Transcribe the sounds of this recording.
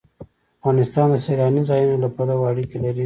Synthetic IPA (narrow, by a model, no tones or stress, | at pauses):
afɣɑnɪst̪ɑnd̪əseɾɑnizɑjunolapɑɾawaɽikelaɾi